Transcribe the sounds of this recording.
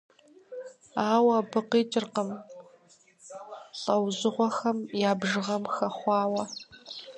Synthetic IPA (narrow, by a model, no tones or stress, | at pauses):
aːwɐbɨqiːd͡ʒʼɪrqəm | ɬʼɐwzɨʁʷɔxɐmjaːbʒɨʁɐmxɐχʷɑːwɐ